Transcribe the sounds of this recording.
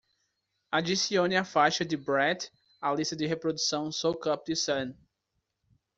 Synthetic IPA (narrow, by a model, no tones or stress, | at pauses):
ad̪isiõnɪafajʃɐd̪ɪbɾɛt̪ | alist̪ɐd̪ɪɦepɾod̪usɐ̃w̃sowkɐp̚d̪ɪsɐ̃n